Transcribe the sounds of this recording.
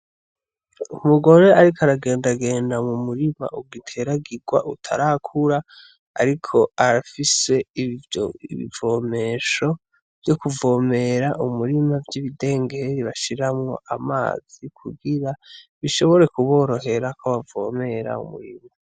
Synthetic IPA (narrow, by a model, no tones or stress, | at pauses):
umuɡo̞ɾe̞aɾikaɾaɡe̞ːndaɡe̞ːndamumuɾima̰ʔuɡitʰe̞ɾaɡiɡwa̰ʔutʰa̰ɾakʰuɾa | a̰ɾikʰo̞aɾafise̞ | iβḭvo̞ːme̞ʃo̞ | v̥jo̞kuvo̞ːme̞ɾaʔumuɾimavɟiβide̞ːŋɡe̞ɾiβaʃiɾamŋo̞̰ʔa̰ma̰ːz̥ikʰuɡiɾaβiʃo̞βo̞ɾe̞kuβo̞ːɾo̞ɦe̞ɾakʰoβavo̞̰me̞ɾa̰ṵmṵɾḭma